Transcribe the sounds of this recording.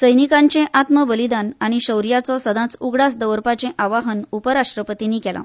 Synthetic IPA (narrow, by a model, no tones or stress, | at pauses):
səjnikãɲt͡ɕẽʔat̪məbəlid̪anaɽ̃iɕəwɾijat͡sɔsəd̪ʱãt͡suɡɽasd̪əʋəɾpat͡ɕẽʔaʋaɦənupəɾaʂʈɾəpət̪inːikɛlã̰